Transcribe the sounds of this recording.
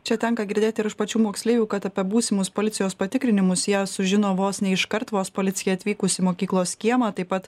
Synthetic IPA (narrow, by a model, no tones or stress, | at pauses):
t͡ʃʲɛt̪ʲɛŋkɐɡʲɪɾʲd̪ʲeːt̪ʲɪɾɪʃpɐt͡ʃʲuːmoːksʲlʲeːjʲuːkɐt̪ɐpʲiɛbuːsʲɪmʊspoːlʲɪt̪ʲɪjoːspɐt̪ʲɪkɾʲɪnʲɪmʊsjæːsʊʒʲɪnoːʋoːsnʲɛɪʃkɐɾt̪ʋoːspoːlʲɪt̪sʲɪjɛɐt̪ʲʋʲiːkʊsʲɪmoːkʲiːklˠoːsʲkʲiɛmɑːt̪ɐɪpɐt̪